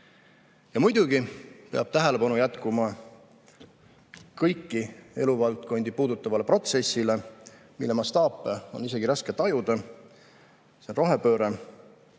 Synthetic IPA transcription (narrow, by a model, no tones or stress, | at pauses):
jɑmujd̪̥uɡ̥ipeɑb̥̚t̪æɦe̞le̞pɑnujæt̪kumɑ | kɤjkːie̞̰luvɑlt̪̚ko̞nʲd̪̥ipuːd̪ut̪ˑːɑvɑle̞pro̞t̪se̞sːile̞ | mḭlːe̞mɑst̪ɑːpːˑeo̞nise̞ɡiɾɑske̞t̪ːˑɑjud̪̥ɑ | senro̞ɦe̞pø̞ːɾe